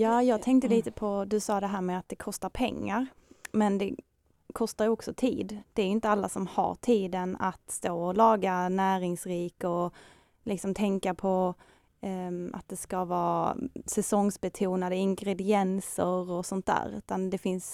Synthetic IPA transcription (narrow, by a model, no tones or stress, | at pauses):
jɑːjɑːɡ̚t̪ʰɛŋk̚t̪əliːt̪əpʰɔd̪ɵsɑːd̪ɛɦæːɾmɛːat̪̚d̪ɛkʰɔst̪aɾpʰɛ̰ŋːaɾ | mɛnd̪ɛ | kʰɔst̪aɾjɔksɔt̪ʰiːd̪d̪ɛːɾjʏʏɪnt̪əalːasɔmha̰ʈʰiːd̪əna̰t̪st̪oːɔlɑːɡanæːɾɪŋsɾiːkɔ | lɪksɔmt̪ʰɛŋkapʰɔ | a̰t̪̚d̪ɛskavɑːsɛsɔŋsbɛt̪ʰuːnad̪əɪŋɡɾɛd̪ɪɛnsəɾɔsɔnt̪̚d̪æ̰ːɾʉ̟ːt̪and̪ɛfɪns